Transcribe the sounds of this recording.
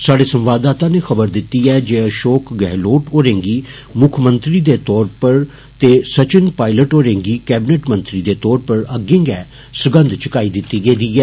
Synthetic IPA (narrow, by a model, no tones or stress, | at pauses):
saːɖeːsəmʋaːd̪aːt̪ãːneːxəbəɾd̪ɪt̪ːiːɛːd͡ʒeːəʃoːkɡɛːloːʈoːɾẽːŋɡiː | mʊkʰmə̃nt̪ɾiːd̪eːt̪ɔːɾpəɾ | t̪eːsət͡ʃɪnpaːɪləʈoːɾẽːŋɡiːkɛːbɪneʈmə̃nt̪ɾiːd̪eːt̪ɔːɾpəɾəɡɪ̃ŋɡɛː | sʊɡə̃nd̪t͡ʃəkaːiːd̪ɪt̪ːiːɡeːd̪iːɛː